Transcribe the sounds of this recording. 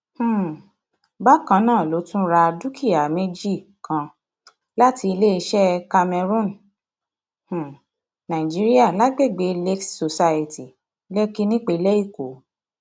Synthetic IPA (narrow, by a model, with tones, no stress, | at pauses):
h̩˦˨ | ba˦kã˧˦nãː˦˨lo˨˦tũ˦ɾa˧du˦ki˦˨a˨me˦d͡ʒi˦˨ | kʰã˧ | la˦ti˧i˧le˦i˧ʃɛ˦ka˧mɛ˧ɾũ˦˨n | h̩˨ | nã˨ĩ˨d͡ʒi˦ɾi˦a˦˨la˨˦ɡ͡be˦˨ɡ͡be˨˦le˦ksso˧sa˧ji˨ti˨ | le˦ki˦nĩ˦k͡pe˧lɛ˦i˦˨ko˨˦